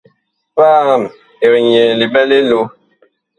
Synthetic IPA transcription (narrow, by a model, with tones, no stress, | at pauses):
fa˦˨m | e˨ɾɲe˨li˨bɛ˦le˦lo˦